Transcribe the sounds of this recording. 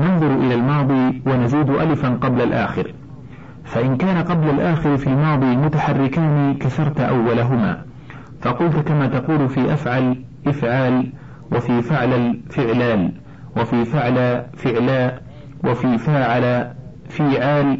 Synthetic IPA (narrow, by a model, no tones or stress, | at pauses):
nɑnðˤʊɾʔɪlaːlmɑːðˤiːwanaziːd̪ʔalɪfanqɑblalʔa̰ːxɪɾ | faʔɪnkaːnaqɑblalʔaːxɪɾɪfiːlmɑːðˤiːmʊt̪aħɑrːɪkaːniːkaθɑɾˤt̪ʔa̰wːalaɦʊma̰ː | fɑqʊlt̪kamaːt̪ɑquːlfiːʔafʕal | ʔɪfʕaːl | wafiːfɪʕlalfɪʕlaːl | wafiːfaʕlafɪʕlaː | wʔafiːfaːʕala | fɪːʕaːl